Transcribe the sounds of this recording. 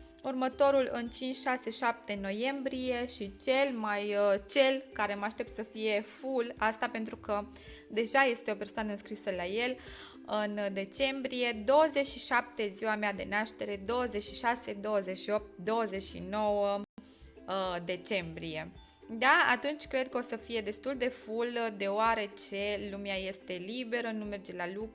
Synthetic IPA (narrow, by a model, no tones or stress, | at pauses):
urmət̪o̞ɾulɨnt͡ʃint͡ʃʲʃase̞ʃap̚t̪e̞no̞je̞mbɾije̞ʃit͡ʃe̞lmajt͡ʃe̞lkaɾe̞maʃt̪e̞p̚t̪səfije̞fulast̪ape̞nt̪ɾukə | d̪e̞ʒaje̞st̪eo̞pe̞rsoanəɨnskɾisəlaje̞l | ɨnd̪e̞t͡ʃe̞mbɾije̞d̪o̞wəze̞ʃiʃap̚t̪e̞ziwamead̪e̞̰naʃt̪e̞ɾe̞d̪o̞wəzet͡ʃʃiʃase̞d̪o̞wəze̞ʃio̞p̚t̪̚d̪o̞wəzet͡ʃʲʃḭno̞wə | d̪e̞t͡ʃe̞mbɾije̞ | d̪aa̰t̪unt͡ʃʲkɾe̞d̪̚kəo̞səfije̞d̪e̞st̪uld̪e̞fuld̪e̞oaɾe̞t͡ʃe̞lumeaje̞st̪e̞libe̞ɾənume̞rd͡ʒe̞lalukɾ